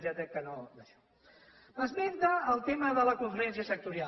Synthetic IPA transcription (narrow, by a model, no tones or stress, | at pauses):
ʒat̪ɾɛkːənod̪əʃɔ̥ | məzβɛnt̪əːlˠt̪eməðələkuɱfɾɛns̬iəsək̚t̪uɾia